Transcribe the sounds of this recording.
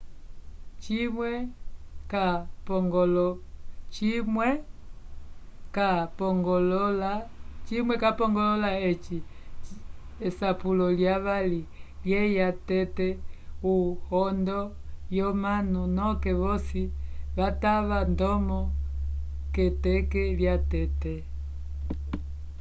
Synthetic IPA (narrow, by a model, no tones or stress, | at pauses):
t͡ʃimwɛkapɔŋɡɔlɔt͡ʃimwɛ | kapɔŋɡɔlɔlat͡ʃimwɛkapɔŋɡɔlɔlaɛt͡ʃi | ɛsapulɔljaβaliljɛjatɛtɛuhɔndɔjɔmanunɔkɛβɔsiβataβandɔmɔ | kɛtɛkɛljatɛtɛ